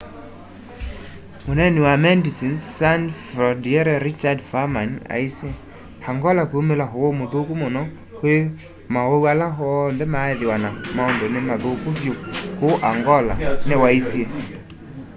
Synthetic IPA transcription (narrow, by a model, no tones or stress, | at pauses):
monɛnewamɛndisinsanfɾɔdiɛɾɛɾit͡ʃadfamana̰isje | haŋɡɔlakoumelaɦowomoðokumonɔ | hwe | maoualaɦnðɛmaeðewanamaɔndonemaðokuvjokoʔaŋɡɔla̰newaisje